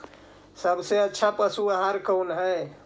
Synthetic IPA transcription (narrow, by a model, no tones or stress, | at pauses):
səbseətːʃʰapəsuaɦaɾkəwnɦə